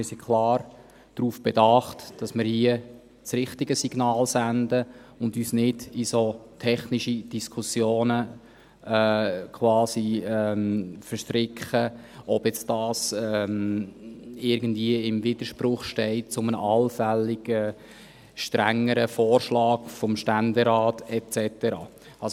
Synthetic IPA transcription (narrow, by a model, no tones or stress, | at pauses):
ɪɾsikʰlɑːɾ | d̥ɾuːfb̥ɛdɑχtd̥ɑsmɪːɾhiə | t͡sɾɪχtiɡəsiɡ̥nɑːlsændə | ʊndyːsnɪd̥isotʰɛχniʃid̥iskʰʊsjoːnə | ɛːkʰwɑːsiɛmfəɾʃtɾɪkχə | ʔɔb̥jɛt͡sd̥ɑːsɛm | ɪɾɡəndviəɪmvɪd̥̪əɾʃprʊχʃtɛɪt̚t͡sʊmənəʔɑlfælːiɡ̥ə | ʃtɾæŋːəɾəfɔːɾʃlɑːkfɔmʃtændɛɾɑːtɛt͡sɛtəɾɑ̰ː | ɑs